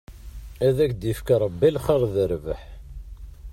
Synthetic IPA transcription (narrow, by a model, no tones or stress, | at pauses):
æðækd̪jəfkaɾˤəbːilχəɾˤðəɾvəħ